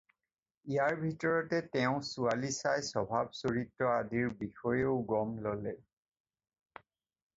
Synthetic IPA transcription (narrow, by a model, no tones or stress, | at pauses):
ijaɹbʱitɔɹɔtɛtɛʊ̃sualisajsɔbʱab̚soɹitːɔadiɹbixɔjeʊɡɔmlɔlɛ